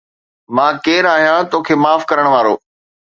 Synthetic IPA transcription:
mãːkeːɾaːɦijãt̪oːkʰeːmaːfkɐɾəɽ̃ʋaːɾo̰ː

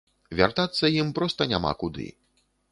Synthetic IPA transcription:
vʲa̰rt̪at̪sːɐjimpɾɔst̪ɐnʲa̰ma̰kud̪ɨ̰

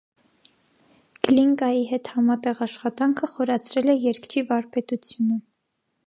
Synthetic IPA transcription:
ɡ̥liŋkɑjiɦɛt̪hɑmɑt̪ɛʁɑʃχɑt̪ɑŋkʰəχɔɾɑt͡sʰɾɛlɛjɛɾkt͡ʃʰivɑɾpɛt̪ut͡sʰjunə

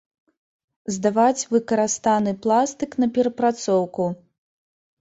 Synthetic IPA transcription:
zd̪avat͡sʲvɨkɐɾast̪anɨplˠast̪ɨknɐpʲɛɾɐpɾat̪sɔwku

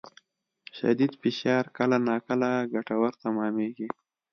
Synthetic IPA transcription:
ʃa̰d̪id̪fɪʃɑːɾkəlanɑːkəlaɡaʈawaɾt̪amɑːmeːɡi

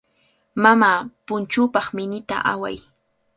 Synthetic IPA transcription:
mamaːpʊnt͡ʃʊːpɑχmɪnɪt̪a̰ʔa̰wa̰j

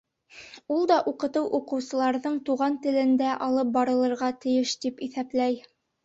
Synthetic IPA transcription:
ulˠd̪ɑʔuqɤ̆t̪ɤwʔuqɤ̆wsɤ̆lˠɑɾðɤɴt̪uʁɑnt̪ɘ̆lɘ̆nd̪æʔɑlˠɤp̚bɑɾɤ̆lˠɤ̆ɾʁɑt̪ɘ̆jɘʃt̪ipiθæplæj

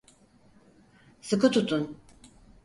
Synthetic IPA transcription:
sɨkʰɯt̪ʰut̪ʰːun

